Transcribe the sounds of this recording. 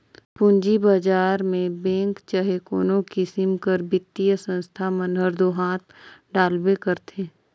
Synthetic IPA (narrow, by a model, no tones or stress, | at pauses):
pʊɲd͡ʒibaːd͡ʒaːɾmẽbɛ̃ːŋkt͡ʃəɦekoːnõkisɪmkəɾbɪt̪ːijəsə̃nst̪ʰamənɦəɾd̪oɦaːt̪̚ʰɖaːlbekəɾt̪ʰeː